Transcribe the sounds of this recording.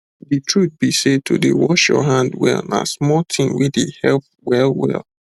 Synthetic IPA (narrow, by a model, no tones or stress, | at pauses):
ditʰɹut̚b̥ised̚tʰodewɔʃjɔ̰ɦãndwɛ̰lˠna̰smɔtʰĩmwidehɛlp̚ | wɛlˠwɛ̰lˠ